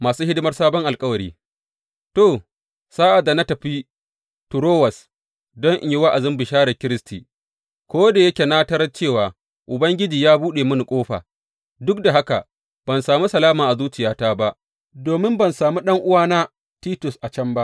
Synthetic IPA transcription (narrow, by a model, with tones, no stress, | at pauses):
maː˨suː˦hɪ˦dɪ˦mɐ˦rsaː˦bɔ˦ŋʔa˨lkʼɐ˦wɐ˨ɾḭː˦ | toː˨ | saː˦ʔa˨da˨na˦tɐ˨ɸiː˦ | tʊ˨ɾoː˦wɐ˨s | dɔ˦ŋʔɪ˨ji˦wa˦ʔa˨zɪ˦mbɪ˨ʃaː˦ɽɐ˨kʲɪ˦ɾɪ˦stiː˨ | kʷoː˦da˨jɐ˦kʲe˨naː˦tɐ˦ɾɐ˦t͡ʃeː˦˨waː˨ | ʔʊ˨bɐ˦ŋɡʲɪ˦d͡ʒiː˨jaː˦buː˦ɗeː˨mʊ˦ni˨kʷʼoː˦ɸa̰ː˨ | dʊ˦k̚da˨ɦa˦ka̰˨ | b̥ɐ˨nsaː˨mu˦sɐ˨laː˦maː˨ʔa˨zuː˦t͡ʃɪ˨jaː˦taː˦ba˦ʔ | doː˨mɪ˦mbɐ˨nsaː˨mu˦ɗɐ˦ŋʔʊ˦waː˦naː˦ | tiː˦tʊ˨sʔa˨t͡ʃɐ˦mba˦ʔ